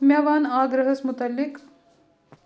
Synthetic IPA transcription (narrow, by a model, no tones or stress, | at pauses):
mʲjɐʋaːnaːɡɾɐɦɐsmut̪ɐlːik